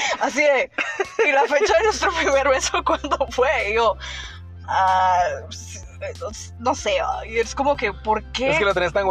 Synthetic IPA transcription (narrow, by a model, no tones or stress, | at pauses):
as̬ieilafet͡ʃaenwest̪ɾopɾimeɾβesokwand̪ofwejo | a | s | os | noseβa̰ieskomokepoɾkeeskelot̪enest̪aŋɡ